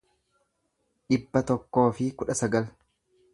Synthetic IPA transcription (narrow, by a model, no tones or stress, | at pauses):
ᶑɪbːɐt̪ɔkːo̞ːfɪkʊᶑɐsɐɡɐl